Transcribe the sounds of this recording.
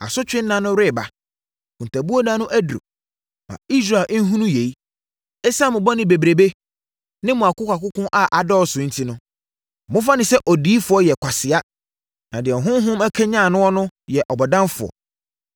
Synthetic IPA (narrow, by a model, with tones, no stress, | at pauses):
a̰˨sʊ˦t͡ɕᶣɪ̃˦n̩˦nã˨˦nʊ̃˦ɾɪ˦˨ba˨ | kʰũ˨n˨tʰa˨bu˦o˦nã˦nʊ̃˦ʔæ˦du˨o̰˨ | mã̰˨i˦s̬ɾa˨lʔn̩˦ɦũ˦nũ˦je˨i˦ | ɛ˦sa˦˨mʊ̃˨bɔ˦nɪ̃˨be˨bɾe˨be˦ | nɪ̃˦mʊ̃˨a˨kʊ˦kʷa˨kʊ˦kʊ̃˦ʔa˦ʔa˨dɔ˦ɔ˨sʊ̃˨˦n̩˦tʰi˦nʊ̃˦˨ | mʊ̃˦fa˦nɪ̃˨sɛ˦ʔɔ˨di˦fʊ˨˦ɔ˦jɛ˨kʷʰa˨sɪ˨a˦ | nã˨dɪ˨ɛ˨ɦʊ̃˦n˦ɦʊ̃˦mæ˦kʰæ˦ɲã˦˨nʊ̃˦ɔ˦nʊ̃˦jɛ˨ʔɔ˨bɔ˨dã˦mfʊ˨ɔ̰˨